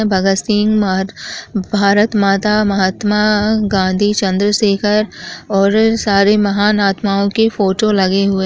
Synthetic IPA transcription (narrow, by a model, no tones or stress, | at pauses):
bʱɐɡəsɪŋɡm | bʱaːɾət̪maːt̪amɐɦət̪maɡãːnd̪ʱit͡ʃɐ̃nd̪ɾəseːkʰəɾɔːɾsaːɾemɐɦaːnaːt̪maːõkefoːʈolɐɡeɦʊe